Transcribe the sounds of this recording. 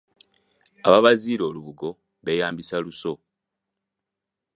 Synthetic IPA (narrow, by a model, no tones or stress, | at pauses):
aβaβaziːɾo̞ːluβuɡo̞ | βe̞jaːmbisaluso̞